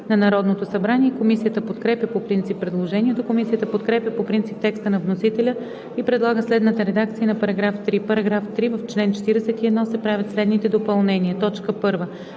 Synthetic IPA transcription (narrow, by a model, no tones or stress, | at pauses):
nɐnɐɾɔd̪not̪osɐbɾaniɛkomisijət̪əpot̪kɾɛpʲjəpopɾint̪sipːɾɛd̪lˠoʒɛnʲiɛt̪okomisijət̪əpot̪kɾɛpʲjəpopɾint̪sip̚t̪ɛkst̪ənɐvnosit̪ɛlʲə | ipɾɛd̪lˠaɡəslɛd̪nət̪əɾɛd̪ak̚t̪sijənɐpɐɾɐɡɾaft̪ɾipəɾɐɡɾaft̪ɾivəft͡ʃlɛnt͡ʃɛ̥t̪iɾɛsɛt̪iɛd̪nɔsɛpɾavʲət̪slɛd̪nit̪ɛd̪opɐlˠnɛniət̪ɔt͡ʃkəpɤɾvə